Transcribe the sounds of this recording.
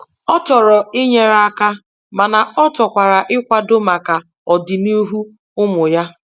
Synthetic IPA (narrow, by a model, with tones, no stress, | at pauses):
ɔ˦tɔ˨ɾɔ˨ɪ˦ɲe˦ɾa˦a˦ka˦ | ma˨na˨ɔ˦tɔ˨kʷa˨ɾa˨ʔɪ˦kʷa˦do˦ma˨ka˨ | ɔ˨dɪ˨ni˦ɦu˦ | ʊ˦mʊ˨ja˦